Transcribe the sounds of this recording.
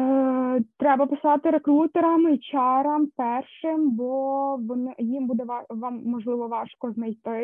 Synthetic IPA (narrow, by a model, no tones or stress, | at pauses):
t̪ɾɛbɐpɪsɑt̪ɪɾekɾut̪eɾɐmit͡ʃɑɾɐmpɛrʃɪmbɔʋɔnjimbud̪ɛʋɑʋɑmːɔʒlˠɪʋɔʋɑʃkɔznɐjt̪ɪ